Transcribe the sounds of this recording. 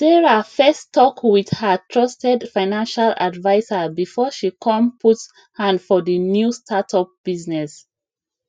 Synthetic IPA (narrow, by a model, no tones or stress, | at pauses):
dɛɹafɛstʰːɔkwiðhətʰɹɔstɛdfãɪnãnʃala̰dvaɪzəbifɔʃikʰɔ̃mpʰuts | hãndfɔðənjustʰatʰɔp̚b̥iznɛs